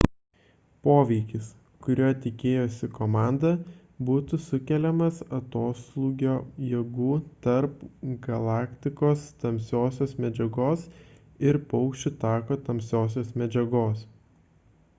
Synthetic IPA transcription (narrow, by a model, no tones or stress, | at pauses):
poːʋʲɛɪkʲɪs | kʊɾʲoːt̪ʲɪkʲeːjoːsʲɪkoːmɑˑnd̪ɐ | buːt̪ʊsʊkʲɛlʲɛmɐsɐt̪oːslˠuːɡʲoːjɛɡuːt̪ɐɾpɡɐlˠɑːkt̪ʲɪkoːst̪ɐmʲsʲoːsʲoːsmʲɛd͡ʒʲɛɡoːs | ɪɾpɐʊkʃʲt͡ʃʲʊt̪ɑːkoːt̪ɐmʲsʲoːs̬ʲoːsmʲɛd͡ʒʲɛɡoːs